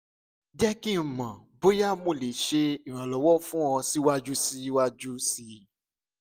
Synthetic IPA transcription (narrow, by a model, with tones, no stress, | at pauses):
d͡ʒɛ˦kĩ˦˨mã˨bo˦ja˦˨mo˦˨le˨ʃe˧i˨ɾ̃ã˨lɔ˨wɔ˦fũ˦ɔ̃˧si˦wa˦d͡ʒu˦si˦wa˦d͡ʒu˦si˧